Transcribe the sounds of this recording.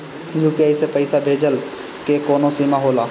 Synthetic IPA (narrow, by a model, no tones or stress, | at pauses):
juːpijaːisepəɪsabʱeːd͡ʒəl | kekoːnosiːmaɦoːlaː